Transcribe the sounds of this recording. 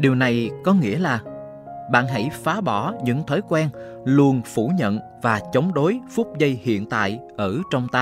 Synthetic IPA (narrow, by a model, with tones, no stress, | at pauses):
ɗi˨˩əwna˨˩jkɔ˨˦ŋḭ˧˥əlaː˨˩ | ɓa̰ː˧˨nɦa̰˧˥˩jfaː˨˦ɓɔ˧˩ɲɨ̰˧˥ŋt̪ʰɔː˨˦jkwɛː˧n | lu˧ənfu˧˩ɲə̰˧˨n | vaː˨˩t͡ɕə˨˦wŋ͡mɗo˨˦jfu˦˥p̚zə˧jhḭ˧˨ənt̪a̰ː˧˨jʔəː˧˩t͡ɕɔ˧wŋ͡mt̪aː˧